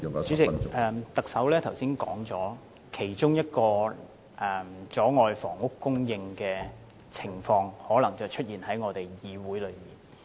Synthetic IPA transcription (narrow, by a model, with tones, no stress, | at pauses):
sy˨˧˥t͡sɪ˨ɛː˧t̪ɐ˨k̚sɐ˨˥wlɛː˥t̪ʰɐ˨˩wsiː˥nkɔ̰ː˨˥ŋt͡sɔː˨˥ | kʰe˨˩jt͡sʊ˥ŋjɐ˥t̚kɔː˧ | ʔɛ˨˩mt͡sɔː˨˥ŋɔː˨˧jfɔː˨˩ŋʊ˥kːʊ˥ŋjɪ˧ŋkɛː˧ | t͡sʰɪ˨˩ŋfɔː˧ŋhɔː˨˥lɐ˨˩ŋt͡sɐ˨wt͡ʃʰɵ˥t̚jiː˨˩nhɐ˨˥jŋɔː˨˧t̪e˨jjiː˨˧wuː˨˥jlɵ˨˧ɥmiː˨˩n